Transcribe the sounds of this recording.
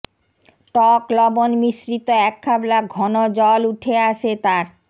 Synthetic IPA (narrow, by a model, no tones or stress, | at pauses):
ʈɔklɔbonmiʃɾit̪oɛkʰːablaɡʱɔnod͡ʑɔluʈʰeaʃet̪aɾ